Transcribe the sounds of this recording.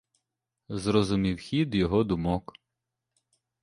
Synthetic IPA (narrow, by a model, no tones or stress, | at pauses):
zɾɔzʊmʲiwxʲid̪jɔɦɔd̪ʊmɔk